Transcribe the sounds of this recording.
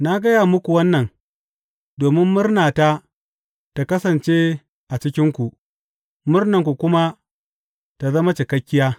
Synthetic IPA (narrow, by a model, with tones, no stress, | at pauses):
na˦ɡɐ˦ja˨mʊ˦kʷu˨wɐ˦nːɐ˨n | doː˨mɪ˦mːʊ˦rnaː˨ta˦ | ta˨kɐ˦sɐ˨nt͡ʃeː˦ | ʔa˨t͡ʃɪ˦kʲɪ˦ŋkʷu˨ʔ | mʊ˦rnɐ˨ŋkʷu˨kʷʊ˦ma˦ | ta˨zɐ˦ma˦t͡ʃɪ˨kɐ˦kʲːɪ˦jaː˦